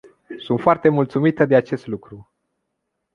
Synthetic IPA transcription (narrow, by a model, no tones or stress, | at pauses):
sunt̪foart̪e̞mult̪sumit̪əd̪e̞at͡ʃe̞st̪lukɾu